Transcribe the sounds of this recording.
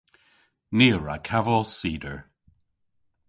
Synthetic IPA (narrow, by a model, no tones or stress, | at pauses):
niːəɹa̰kʰavɔsiːdəɹ